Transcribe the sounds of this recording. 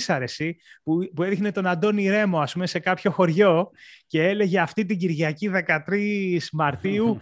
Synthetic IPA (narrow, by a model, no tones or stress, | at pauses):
sɐɾe̞sipupue̞ðixne̞t̪o̞nɐnd̪o̞niɾe̞mo̞ɐspume̞se̞kɐpço̞xo̞ɾʝo̞ce̞e̞le̞ʝe̞ɐft̪it̪̬iɟiɾʝɐciðe̞kɐt̪ɾismɐɾt̪iu